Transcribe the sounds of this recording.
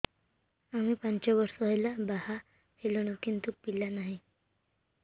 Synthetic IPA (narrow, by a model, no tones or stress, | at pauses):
amipaɲt͡ɕjaʋəɾsɦəjlabaha | helɳ̃əkint̪uk̚pilːanaɦi